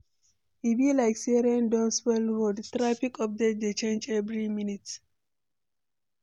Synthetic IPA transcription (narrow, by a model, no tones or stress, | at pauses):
hibilajksiɹãndɔ̃nswɛlwudtɾapikɔp̚det̚det͡ʃẽnd͡ʒɛvɹiminit